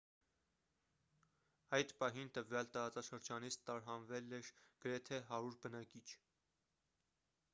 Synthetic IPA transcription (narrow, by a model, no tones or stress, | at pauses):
ɑjd̪pɑɦint̪əvjɑlt̪ɑɾɑt͡sɑʃəɾd͡ʒɑnit͡sʰt̪ɑɾɦɑnvɛlɛɾɡ̥əɾɛt̪ʰɛɦɑɾuɾbənɑkit͡ʃʰ